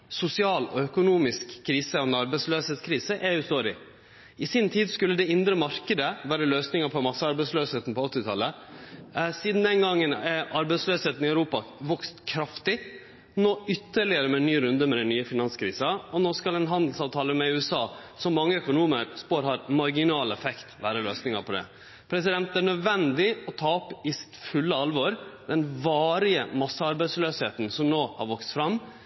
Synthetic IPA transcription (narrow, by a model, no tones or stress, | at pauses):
sʊsɪɑːlɔ̰œkʊnuːmɪskʰːɾiːsəɔnɑɾbɛɪsløːsheːt̪skʰɾiːsəʔɛʉːst̪oːɾɪ̰ | ɪsɪnt̪ʰiːd̪skʉlːəd̪ɛɪnd̪ɾəmɑɾkəd̪əʋæːɾəløːsnɪŋəpʰɔmɑsːəɑɾbɛɪsløːsheːt̪n̩pʰɔɔt̪ːɪt̪ʰɑlːə | siːd̪n̩d̪ɛnɡɑŋːənɛɑɾbɛɪsløːsheːt̪n̩ɪœʉɾuːpɑʋɔkst̪kʰɾɑft̪ɪ | noːʏt̪ːəɭɪəɾəmɛnːyːɾʉnd̪əmɛd̪ɛnnyːəfɪnɑnskʰɾiːsɑɔnoːskɑlɛnɦɑnd̪l̩sɑːʋt̪ʰɑːləmɛʉːɛsɑːsɔmːɑŋːəœkʊnuːməɾspoːɾɦɑɾmɑɾɡɪnɑːlɛfɛkt̪ʋæ̰ːɾəløːsnɪŋɑɾpʰɔd̪ɛ̰ | pʰɾɛs̬ɪd̪ɛnt̪æɳœd̪ʋɛnd̪ɪɔt̪ʰɑːɔpːɪsɪ̥t̪fʉlːəɑlʋɔɾd̪ɛnʋɑːɾɪəmɑsːəɑɾbæɪsløːsheːt̪nsɔmnoːhɑ̰ɾʋɔkst̪fɾɑmː